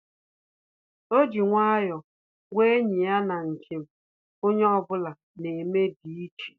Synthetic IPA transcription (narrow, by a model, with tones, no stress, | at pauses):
o˦d͡ʒi˨ŋʷa˦jɔ˨ | ɡʷe˦e˦ɲɪ˨ja˦na˨ŋ̩˨kʰe˨m̩˨ | o˦ɲe˦ɔ˦bʊ˦la˨ | ne˨me˦di˨i˦t͡ʃi̥˨